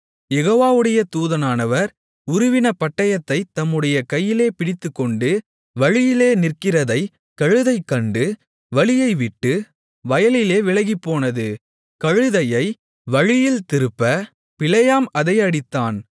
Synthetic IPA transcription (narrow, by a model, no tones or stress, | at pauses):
jɛɣoːʋaːʋɯɽɐjɐt̪uːðɐnaːnɐʋɐɾ | ʊɾʊʋɪnɐpɐʈːɐjɐt̪ːɐɪt̪ːɐmːɯɽɐjɐkɐjːɪleːpɪɽɪt̪ːɯkːɔɳɖɯ | ʋɐɻɪjɪleːnɪrkɪrɐðɐɪ | kɐɻɯðɐɪkːɐɳɖɯ | ʋɐɭɪjɐɪʋɪʈːɯ | ʋɐjɐlɪleːʋɪɭɐɣipːoːnɐðɯ | kɐɻɯðɐjɐɪ | ʋɐɻɪjɪlt̪ɪɾɯpːɐ | pɪlɐjaːmɐðɐɪɐɽɪt̪ːaːn